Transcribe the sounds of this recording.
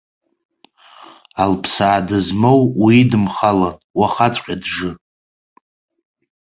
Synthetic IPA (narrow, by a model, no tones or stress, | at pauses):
alpʰsaːdɨzmowwidɨmχalanwaχat͡sʷʼqʲʼadʐɨ